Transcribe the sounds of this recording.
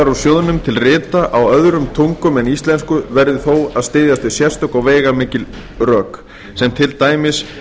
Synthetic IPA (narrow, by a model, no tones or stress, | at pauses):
aɾawsjoðnʏmt̪ʰɪlrɪːt̪aʔawœðɾʏmt̪ʰowŋkʏmɛnist̪lɛnskʏvɛɾðɪθoːwaðst̪ɪːðjast̪ɪsjɛ̥st̪ʏkawvɛːjɣamɪːcɪl | rœːk | sɛmt̪ʰɪlt̪aːjmɪs